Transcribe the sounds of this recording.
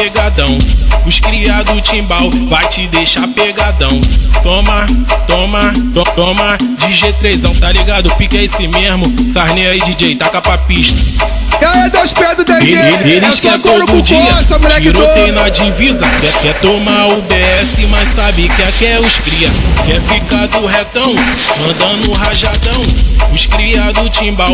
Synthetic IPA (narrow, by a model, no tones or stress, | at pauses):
peɡad̪ɐ̃w̃ʊʃkɾiad̪ʊt͡ʃĩbawvajt͡ʃɪd̪ejʃapeɡad̪ɐ̃w̃t̪õmat̪õmat̪oõmad͡ʒɪʒet̪ɾezɐ̃w̃t̪aliɡad̪ʊpikɐesɪmezmʊsaɦnẽaid͡ʒɪd͡ʒejt̪akapapiʃt̪ɐ̥ | aɛd̪aʃpɛd̪ʊd̪ɛeelɪkɛtod̪ʊ̃d͡ʒiɐsɐmonɛkiɾõt̪enɐd͡ʒivizɐkɛkɛt̪omaʊbeɛsɪmaʃsabɪkɪakɛʊʃkɾiɐkɛfikad̪ʊɦet̪ɐ̃w̃mɐ̃d̪ɐ̃d̪ʊɦaʒad̪ɐ̃w̃ʊʃkɾiad̪ʊt͡ʃĩbaw